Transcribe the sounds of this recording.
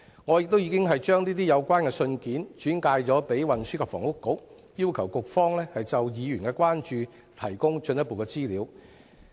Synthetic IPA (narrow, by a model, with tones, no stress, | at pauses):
ŋɔ˨˧jɪ˨k̚t̪o˥wjiː˧kɪ˥ŋɦɐ˨jt͡ʃœː˥ŋniː˥t̪i˥jɐ˨˧wkʷaː˥nkɛː˧sɵ˧nkiː˨˥nt͡ʃyː˨˥nkaː˧jt͡sɔː˨˥pe˨˥jwɐ˨nsyː˥kʰa˨pfɔ̰ː˨˩ŋʊ˥kːʊ˨˥k̚ | jiː˥wkʰɐ˨˩wkʊ˨k̚fɔː˥ŋlɛː˥hɐ˨jt͡sɐ˨wjiː˨˧jyː˨˩nkɛː˧kʷwaː˥nt͡ʃyː˨˧ | t̪ʰɐ˨˩jkʊ˥ŋt͡ʃɵ˧njɐ˥t̚po˨wkɛ˧t͡siː˥liː˨˧w